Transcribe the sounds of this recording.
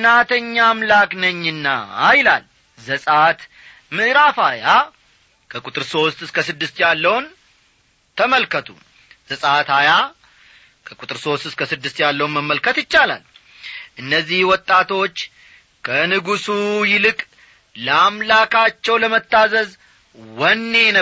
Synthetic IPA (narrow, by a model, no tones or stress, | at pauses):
nat̪ʰəɲːamlaknəɲːɨnːa̰ːjlal | zəsʼat̪ | mɨɾafaja | kʰəkʼut̪ʼɨɾso̞st̪ɨskʰəsɨd̪ːɨst̪jalːəwn | t̪ʰəməlkʰət̪ʰṵ | z̥əsʼat̪aja | kʰəkʼut̪ʼɨɾso̞st̪ɨskʰəsɨd̪ːɨst̪jalːəwunməmːəlkʰət̪jɪt͡ʃːala̰l | ʔɨnːəzːihwɔt̪ʼːat̪ʰo̞t͡ʃː | kʰənɨɡusujɪlɨkʼ | ləamlakʰat͡ʃːɛwləmət̪ːazəz | wɔnːe̞nə